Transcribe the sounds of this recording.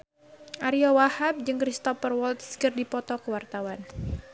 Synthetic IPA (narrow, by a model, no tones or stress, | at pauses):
ʔaɾiɔwahap̚d͡ʒɨŋkɾist̪ɔfərwɔlt̪skɨrdipɔt̪ɔkəwart̪awan